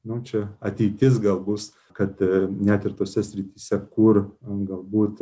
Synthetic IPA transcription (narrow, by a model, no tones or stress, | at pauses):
nʊt͡ʃʲɛɐt̪ʲɛɪt̪ʲɪs̬ɡɐlˠbʊs | kɐt̪nʲæt̪ɪrt̪oːsʲɛsʲɾʲɪt̪ʲiːsʲɛkʊrɡɐlˠbuːt̪